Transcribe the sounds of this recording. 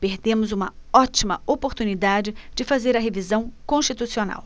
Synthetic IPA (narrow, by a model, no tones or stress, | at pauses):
peɾd̪ẽmʊzũmɐɔt͡ʃimɐopoɾt̪unid̪ad͡ʒɪd͡ʒɪfazeɾɐɦevizɐ̃w̃kõʃt͡ʃit̪usiona̰w